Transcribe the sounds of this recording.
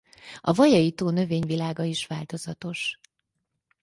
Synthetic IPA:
ɒvɒjɒjit̪oːnø̞veːɲvilaːɡɒiʃʋaːlt̪o̞zɒt̪o̞ʃ

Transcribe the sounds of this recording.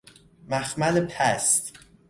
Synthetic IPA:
mæxmælepʰæst̪

